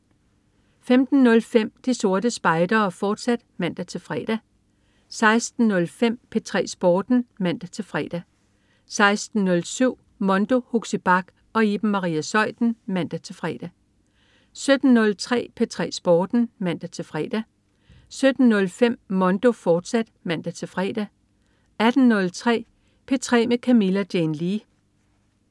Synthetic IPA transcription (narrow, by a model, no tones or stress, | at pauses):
femd̥n̩nɔ̽lfem̰d̥iso̝ɐd̥əsb̥ɑ̈ɪd̥ɐfɒːd̥sæd̥mæn̰d̥æt͡sʰe̝lfʁɛ̰̥ːæ | sɑ̈ɪsd̥n̩ːɔ̽lfem̰pʰet͡sʰʁɛ̰ːsb̥ɒːd̥n̩mæn̰d̥æt͡sʰe̝lfʁɛ̰ːd̥æ | sɑ̈ɪsd̥n̩nɔ̽lsyʊ̰ | mɔ̽nd̥o̝huɡ̥səb̥ɑ̈ɡ̥ | ɒ̽eb̥̩mːɑ̈ʁḭːæsɒ̽ɪ̰d̥n̩mæn̰d̥æt͡sʰe̝lfʁɛːd̥æ | sø̥n̩ːɔ̽lt͡sʰʁɛ̰ːpʰet͡sʰʁɛ̰ːsb̥ɒːd̥n̩mæ̰d̥æt͡sʰe̝fʁɛ̰ːd̥æ | sød̥n̩nɔ̽lfem̰mɒ̽nd̥o̝fɒːd̥sæd̥mæn̰d̥æt͡sʰe̝lfʁɛ̰ːd̥æ | æd̥n̩nɔ̽lt͡sʰʁɛ̰ː | pʰet͡sʰʁɛ̰ːmekʰæmilæd̥jenli